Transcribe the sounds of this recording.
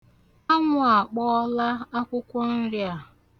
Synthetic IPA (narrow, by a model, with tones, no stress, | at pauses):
a˦ŋʷʊ˦a˨k͡pɔ˦la˦a˦kʷʊ˦kʷʊ˦n̩˦ɾja˦˨